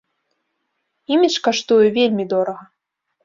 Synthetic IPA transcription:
imʲit͡ʂkaʂt̪ujɛvʲelʲmʲid̪ɔɾɐɣɐ

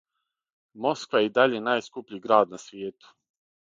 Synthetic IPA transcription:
mo̞skʋajeid̪aʎenaːjskupʎiɡɾaːd̪nasʋjeːt̪u̥

